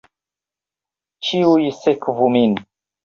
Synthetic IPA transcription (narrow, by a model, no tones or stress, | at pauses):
t͡ʃiujisɛkvumin